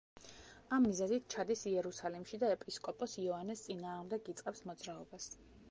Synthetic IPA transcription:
amːizɛzit̪̚ʰt͡ʃʰad̪isiɛɾusalimʃid̪aɛpʼiskʼɔpʼɔsiɔanɛst̪sʼinaːʁmd̪ɛɡit̪sʼqʼɛpsmɔd̪zɾaɔbas

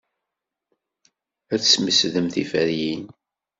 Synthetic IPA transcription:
æt͡ssməsðəmθifæɾjin

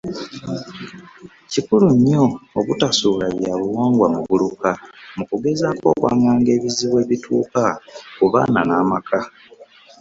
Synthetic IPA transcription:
cikuluɲːo̞ːβutasulaβjaβuwaːŋɡwamuβulukamukuɡe̞zaːko̞̰ːkwa̰ːŋɡaːŋɡe̞ːβiziβwe̞ːβitʰṵːkakuβa̰ːnanaːmakʰa

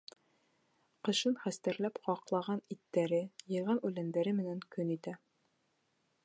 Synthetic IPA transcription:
qɤ̆ʃɤnχæst̪æɾlæpχɑqlˠɑʁɑnit̪ːæɾɘjɤ̆ʁɑnʉlænd̪æɾɘmɘ̆næŋkɵnit̪æ

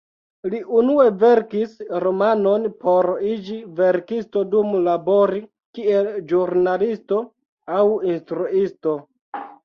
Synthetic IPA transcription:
liʔunue̞ve̞ɾkisɾomano̞npo̞ɾid͡ʒive̞ɾkisto̞dumlabo̞ɾi | kie̞ld͡ʒuɾnalisto̞ | awinstɾuisto̞

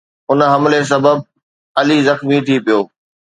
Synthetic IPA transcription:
ʊnɦɐmles̬ɐbəb̚ | ɐlizɐxmit̪ʰipijoː

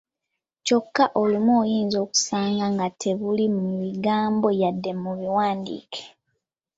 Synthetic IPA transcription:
co̞kːaʔolimoːjiːnzo̞ːku̥saːŋɡaŋɡatʰe̞βulimumiɡaːmbojadːe̞muβiwaːndḭːkʰe̥

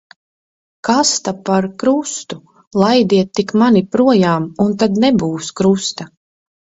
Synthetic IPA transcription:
kast̪apaɾkɾust̪u | lˠajd̪iɛt̪ːikmanipɾuɔjaːmunt̪ad̪nɛbuːskɾust̪a

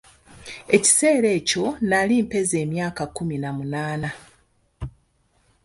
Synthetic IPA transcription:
e̞ci̥se̞ːɾe̞ːco̞nalimpe̞ze̞ːmjaːkakuminamunaːna

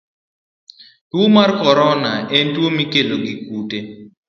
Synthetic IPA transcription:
twomarkɔɾɔnaɛntwomikeloɡikute

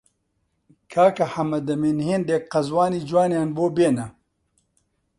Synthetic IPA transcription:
kʰaːkɐħɐmɐd̪ɐmiːnheːnd̪jek̚qɐzwaːniːd͡ʒwaːnjaːnboːbeːnɐ

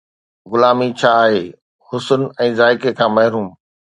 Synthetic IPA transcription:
ɣʊlaːmit͡ɕʰaːɦeː | hʊsʊnɛ̃ːzaːɪkekʰãːmɐɦɪɾuːm

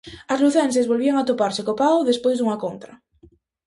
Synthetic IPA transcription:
ɐzluθɛnsezβolβiaŋat̪opaɾsɪkopawðespojzðuŋakont̪ɾɐ

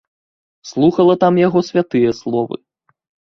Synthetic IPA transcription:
slˠuxɐlˠɐt̪amjaɣɔsʲvʲat̪ɨjɐslˠɔvɨ̰

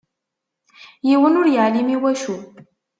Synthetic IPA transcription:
jiwənʊɾjaʕlimiwæʃu

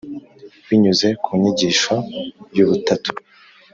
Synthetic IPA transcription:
wiɲuze̞kumiɲiɟiːʃojuβutatu̥

